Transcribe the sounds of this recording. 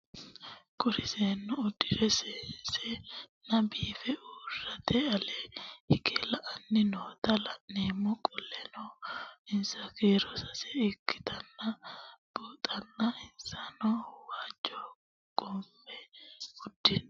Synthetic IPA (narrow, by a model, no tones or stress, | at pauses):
kʼʊɾɪseːnːʊʊd̪ɪɾɛseːnsɛnɐbiːfɛuːrːɐt̪ɛɐlehɪkelɐʔɐnːɪnoːt̪ɐlɐʔneːmːʊkʼɔlːɛnoɪnsɐkeːɾɔsɐsɛɪkːɪ̥t̪ɐnːɐb̥oːt̪ʼɐnːɐɪnsanɔwaːd͡ʒɔ | ɡʼomːɛʊd̪ːɪn